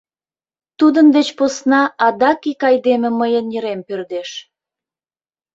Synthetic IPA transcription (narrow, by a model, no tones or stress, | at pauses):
t̪ud̪ənd̪et͡ɕposnɑʔɑd̪ɑkikɑjd̪emĕməjənjəɾempørd̪eʃ